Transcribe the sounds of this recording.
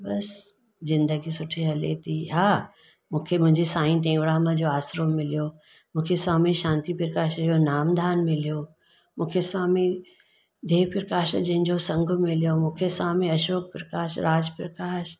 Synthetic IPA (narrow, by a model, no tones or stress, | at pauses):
bɐs | zɪ̃nd̪əɡisʊʈʰeɦɐlḛt̪ʰiːɦaː | mũːkʰemʊ̃ɦɪ̃ɲd͡ʑisaːĩʈ̪ẽːŋɡɽamɐ̃d͡ʑoːaːsɾomːɪlijo | mũːkʰeswaːmiʃãːnt̪ipɾəkaːʃd͡ʑonaːmd̪ʱaːnmɪlijo | mũːkʰeswaːmi | d̪ʱeːpɾɐkaːʃd͡ʑɐ̃ɦɪ̃ɲd͡ʑosɐ̃ŋɡʱʊmɪlijomũːkʰeswaːmiɐʃoːk̚pɾɐkaːʃɾaːd͡ʑpɾɐkaːʃ